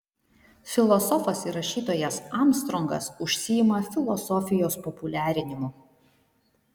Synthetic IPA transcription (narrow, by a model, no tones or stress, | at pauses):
fʲɪlˠɔsɔfɐsiɾɐʃʲiːt̪oːjɛsɑˑmst̪ɾɔŋɡɐ̰sʊʃʲsʲɪjɪmɐfʲɪlˠɔsɔfʲɪjoːspɔpʊlʲæːɾʲɪnʲɪmʊ